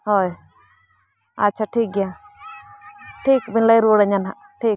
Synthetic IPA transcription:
ɦoj | a̰ːt͡ʃʰaʈʰiːk̚ɡja | ʈʰiːkbinlajɾuɽaɲanɦa | ʈʰiːk̚

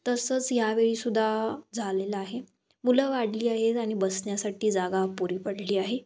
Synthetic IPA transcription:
t̪əsəːt͡sjaʋeɭiːsud̪ʱːad͡zʱalelaaɦe | muləʋaɽliːaɦeaɽ̃ibəsɳjasaʈiːd͡zaɡapuɾiːpəɽliːaɦe

